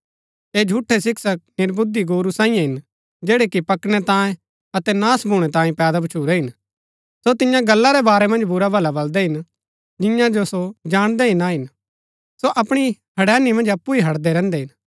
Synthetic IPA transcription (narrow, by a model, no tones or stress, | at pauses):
eːd͡ʒʱuːʈʰːesɪksək̚nɪɾbʊd̪iɡoːɾusãːĩjãɦɪn | d͡ʒeːɽekipɐkɽ̃ɛt̪ãːẽ | ɐt̪ɛnaːsbʱuːɽ̃ɛt̪ãːĩpɛːd̪abɐt͡ʃʰuːɾɛɦɪn | sot̪ɪjãɡɐlːaɾebaːɾɛmɐ̃nd͡ʒbʊɾabʱɐlabɐld̪ɛɦɪn | d͡ʒɪjãd͡ʒosod͡ʒaːɽ̃d̪ɛɦɪnaɦɪn | soʔɐpɽ̃ihɐɽɛːnimɐ̃nd͡ʒɐpːuiɦɐɽd̪ɛɾɛ̃ːnd̪ɛɦɪn